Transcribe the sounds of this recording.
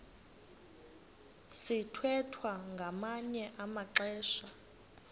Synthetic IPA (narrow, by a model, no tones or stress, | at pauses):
sitʰwɛtʰwaŋɡʱamaɲɛʔamaǀɛːʃa